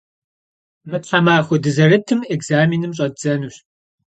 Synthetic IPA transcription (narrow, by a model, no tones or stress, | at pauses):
mɨɕʰħamaːxʷʊdɨzɐrɨtʰɨmekz̥aːminɨmɕ̬ʼɐdd͡z̥ɐnuɕ